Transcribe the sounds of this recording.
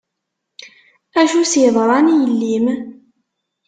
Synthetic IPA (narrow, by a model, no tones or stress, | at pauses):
æʃusjðˤɾˤɑnijəlːim